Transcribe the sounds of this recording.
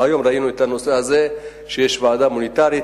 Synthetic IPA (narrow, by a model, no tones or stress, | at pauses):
ajomɾainoit̪anoseaze | ʃeʃvaːd̪amunit̪aɾi